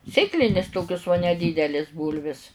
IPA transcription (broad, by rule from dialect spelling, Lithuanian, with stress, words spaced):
ˈsʲeːklʲɪnʲɪs ˈtoːkʲʊs nʲɛdʲiːdʲɛlʲeːs ˈbuːlʲʋʲɪs